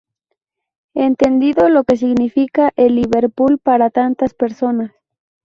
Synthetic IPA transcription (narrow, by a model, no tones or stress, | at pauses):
e̞nt̪e̞nd̪iðo̞lo̞ke̞s̬iɣnifikaʔelːiβe̞ɾpulpaɾat̪ant̪aspe̞ɾso̞nas